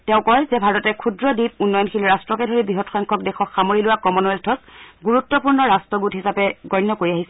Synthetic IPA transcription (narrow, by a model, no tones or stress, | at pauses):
teʊ̃kɔɹjzɛbʱaɹɔtɛkʰudɹɔdit̚unːɔjɔnxʰilɹastɹɔkɛdʱoɹibɹiɦɔtxɔŋkʰɔk̚dɛxɔkxamoɹilʊwakɔmɔnɛltʰɔsɡuɹutːɔpuɹnɔɹastɔɡutɦisapɛɡɔjnjɔkoɹiaɦisɛ